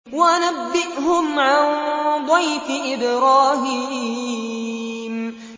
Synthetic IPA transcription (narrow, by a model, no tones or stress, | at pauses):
waʔanabːɪʔhʊmʕand̪ˤɑjfɪʔɪbɾɑːɦiːiː | m